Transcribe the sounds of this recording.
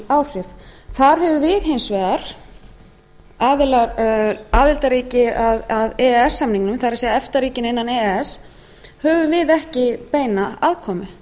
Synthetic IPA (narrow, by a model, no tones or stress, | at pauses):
awr̥ɪfθaɾ̥ɦœvʏvɪðɦejnsvɛːðaɾ̥ | aːðɪlaɾaːðɪlt̪aɾiːcɪaðaðɛɛsːamniŋknʏmθaɾasɛːðaɛft̪aɾiːcɪnejnːanɛɛs | hœːvʏvɪðɛhcɪpeːjnaaðkʰɔːmʏ